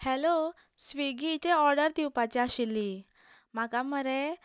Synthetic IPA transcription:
hɛlosʋiɡit͡ɕeɔɾɖəɾd̪iwpat͡ɕeaɕilːi | m̤akaməɾe

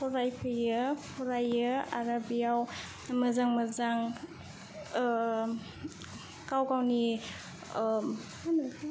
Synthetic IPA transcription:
pʰɔɾajpʰɯjɯpʰɔɾajɯaɾabijaw | mɐzaŋmɐzaŋ | kawkawni | n

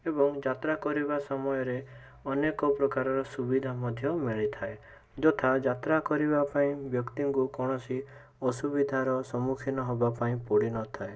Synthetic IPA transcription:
ebɔŋd͡ʒat̪ɾakɔɾibasɔmɔjɔɾe | ɔnekɔpɾɔkaɾɔɾɔsubid̪ʱamɔd̪ʱjɔmiɭit̪ʰae | d͡ʒɔt̪ʰad͡ʒat̪ɾakɔɾibapaĩbjɔkt̪iŋkukɔɽ̃ɔsi | ɔsubid̪ʱaɾɔsɔmukʰinɔɦobapaĩpɔɽinɔt̪ʰae

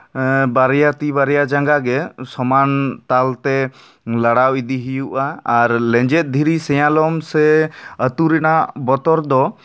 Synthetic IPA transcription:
baɾɛjat̪ibaɾɛjad͡ʒaŋɡaɡɛsɔmant̪alt̪ɛ | laɽawid̪iɦijuʔaːɾlɛ̃ɲd͡ʒɛt̪̚ˀd̪ʱiɾisɛjãlɔmsɛət̪uɾɛnaʔbɔt̪ɔɾd̪ɔ

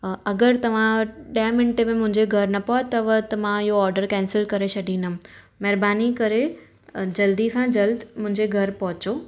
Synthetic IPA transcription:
ɐɡəɾt̪ɐʋ̤ãɗɐmɪ̃nʈemẽmʊ̃ɦɪ̃ɲd͡ʑeɡʱɐɾnɐpɔt̪ɐʋət̪ɐʋ̤ãɪɦoɔːɾɖəɾkɛ̃ːnsɪlkɐɾet͡ɕʰɐɖʱĩnd̪ə̃ | mɛɦɾbaːnikɐɾe | d͡ʑɐld̪isãd͡ʑɐld̪mʊ̃ɦɪ̃ɲd͡ʑeɡʱɐɾpɐɦʊt͡ɕoː

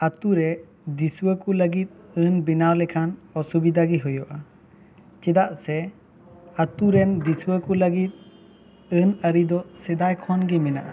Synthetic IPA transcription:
at̪uɾɛ | d̪isuəkuləɡit̪̚ɨnbinawlɛkʰanɔsubid̪aɡiɦɔjɔʔa | t͡ʃɛd̪aʔsɛ | at̪uɾɛnd̪isuəkuləɡit̪̚ | ɨnəɾid̪ɔsɛd̪ajkʰɔnɡimɛna̰ʔa̰

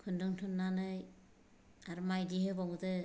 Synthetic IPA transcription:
kʰɯndɯŋtʰunːanɯj | aɾmajdiɦɯbaɡdɯ

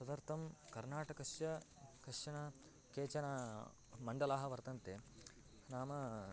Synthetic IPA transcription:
sɐd̪ɐɾt̪ʰɐmkɐɾnaːʈɐkɐʂjɐ | kɐʂjɐnɐ | keːt͡ʃɐna | mɐɳɖɐlaːɦɐʋɐɾt̪ɐnt̪e | naːmɐ

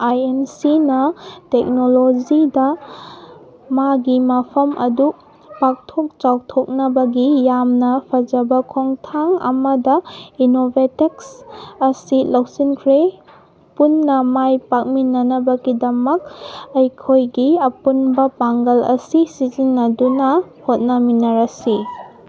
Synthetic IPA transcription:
ajemsinɐtek̚nolod͡ʒidɐ | maɡimɐpʰɐmʔɐ̰du | pak̚tʰok̚t͡ʃaw̚tʰok̚nɐbɐɡijamnɐpʰɐd͡ʒɐbɐkʰoŋtʰaŋɐ̰mɐdɐinobʱeteksɐsilɐwsinkʰɾe | punːɐmajpak̚minːɐnɐbɐɡidɐmɐk̚ɐjkʰojɡiɐpunbɐpaŋɡɐlɐ̰sisizinːɐdunɐhot̚nɐminːɐɾɐsi

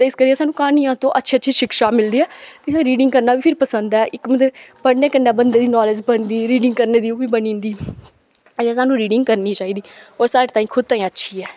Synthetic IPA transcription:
t̪eːɪskəɾiːɛ̃saːnũːkaːnijãːt̪õːʔətːʃʰiːətːʃʰiːʃɪkʃaːmɪld̪iːɛːt̪ẽːɾiːɖɪ̃ŋɡkəɾnaːbiːpʰɪɾpəsənd̪ɛːʔɪkmət̪ləbbəɽneːkənːẽːbənd̪eːd̪iːnɔːlɪd͡ʒbənd̪iːɾiːɖɪ̃ŋɡ̚kəɾneːd̪iːobiːbənĩːnd̪iː | əd͡ʒẽːsaːnũːɾiːɖɪ̃ŋɡkəɾniːt͡ʃaːiːd̪iːɔːɾsaːɾeːt̪ãːĩːkʰʊd̪̚t̪ãːĩːətːʃʰiːɛː

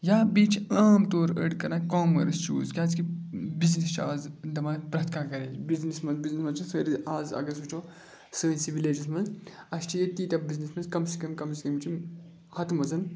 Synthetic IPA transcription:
jaːbiːt͡ʃʰaːmt̪oːɾəɖkɐɾnakoːmɐɾɐst͡ʃʰṵːzkʲaːzkibiznist͡ʃʰaːzd̪ɐmapɾɐt̪kʰaːkɐɾeːbiznismɐnzbiznismɐnt͡ʃʰisəːɾiaːzɐ̰ɡɐsut͡ʃʰoː | sə̃ːnsibileːd͡ʒismɐnzɐʃt͡ʃʰijet̪iːt̪ɐbiznismɐnzkɐmsikɐmkɐmsikɐmt͡ʃʰim | hɐt̪mɐzɐn

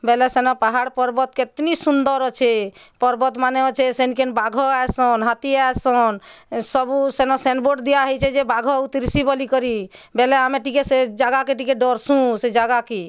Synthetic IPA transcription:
bɛlesenɔpaɦaɽpɔɾbɔt̪̚ket̪nisund̪əɾɔt͡ʃʰepɔɾbɔt̪maneɔt͡ʃʰesenkenbaɡʱɔaesɔnɦat̪iaesɔnsəbusenɔsenboɖd̪ijaɦɔt͡ʃʰɛd͡ʒebaɡʱɔut̪ɾisibəlikəɾi | bɛleameʈikesed͡ʒaɡakeʈ̬ikeɖɔɾsũsed͡ʒaɡake

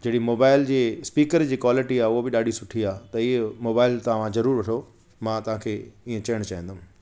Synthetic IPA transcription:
d͡ʑeːɽimoːbaːɪld͡ʑiːspiːkəɾd͡ʑiːkwaːlɪʈiaːʊɦobɪɗaːɖʱisʊʈʰiaːt̪ɐiːmoːbaːɪlt̪ɐɦãzɐɾuːɾʋɐʈʰo | mãːt̪ɐʋ̤ãːkʰeːiːẽt͡ɕɐəɽ̃t͡ɕaĩnd̪ʊm̃

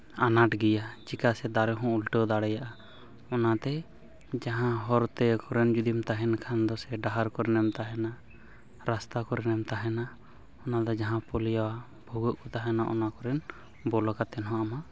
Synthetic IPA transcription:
anaʈɡɛjad͡ʒikasɛd̪aɽɛɦɔ̃ulʈəd̪aɽɛjaʔa | ɔnat̪ɛ | d͡ʒaɦãɦɔɾt̪ɛkɔɾɛnd͡ʒud̪imt̪aɦɛnkʰand̪ɔsɛɖaɦaɾkɔɾɛnɛmt̪aɦɛna | ɾast̪akɔɾɛnɛmt̪aɦɛna | ɔnad̪ɔd͡ʒaɦãpɔlijawa | bʱuɡɔʔkɔt̪aɦɛnaʔɔ̰nakɔɾɛn | bɔlɔkat̪ɛnɦɔ̃ʔama

